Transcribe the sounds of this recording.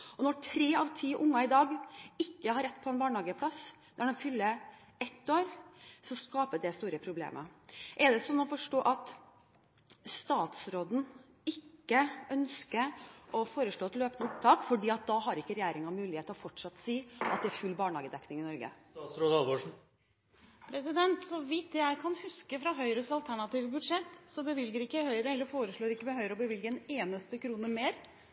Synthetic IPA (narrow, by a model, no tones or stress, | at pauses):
ɔnɔʈʰɾeːɑʋt̪ʰiːʔʊŋːɑɪd̪ɑːɡɪkːəhɑɾɛt̪ːpʰɔɛnbɑːɳhɑːɡəpʰlɑs | d̪̥æɖɛnfʏlːə | ɛt̪ːoːɾsɔskɑːpəd̪ɛst̪uːɾəpʰɾʊblḛːmʔəʔɛd̪ɛsɔnːɔfɔʂʈoːʔɑt̪ | st̪ɑːt̪sɾoːd̪n̩ | ɪkːəœnskəɾɔfoːɾəʂɭoːɛt̪løːpnəʊp̚t̪ʰɑːkfɔɖiːɑt̪̚d̪ɑɦɑɾɪkːəɾɛjeːɾɪŋɑmʉːlɪheːt̪əɾɔfɔʈʂɑt̪ːsiːʔɑt̪̚d̪ɛæɾfʉlːbɑːɳhɑːɡəd̪ɛknɪŋɪnɔɾɡə̰sɾoːd̪ɑlʋoʂ | pʰɾɛsɪd̪ɛnt̪sɔʋɪt̪ːjæɪkʰɑnhʉskəfɾɑɦœʏɾəsɑlt̪ʰæɳɑt̪iːʋəbʉd̪ʂɛt̪ːsɔbəʋɪlɡəɾɪkːəhœʏɾəɛlːəɾfoːɾəʂɭoːɾɪkːəʋɛɦœʏɾəɔbəʋɪlɡəɛneːnəst̪əkʰɾuːnəmeːɾ